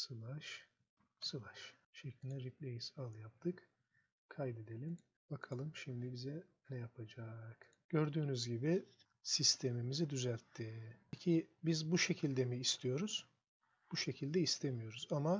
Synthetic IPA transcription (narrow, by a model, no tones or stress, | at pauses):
sɯlˠaʃ | sɯlˠaʃʃecʰlʲind̪ɛɾip̚lʲejizalˠjap̚t̪ʰɯk | kʰajd̪e̞d̪e̞lʲim | bakʰalˠɯmʃimd̪ibizɛ | nɛjapʰad͡ʒaːk | ɟ̥ø̞ɾd̪yːnyzɟibi | sist̪ʰe̞mimizid̪yzælʲt̪ʰːicʰibizbuʃe̞cʰilʲd̪emiːst̪ʰijo̞ɾuz̥ | b̥uʃe̞cʰilʲd̪ɛist̪ʰemijo̞ɾuzama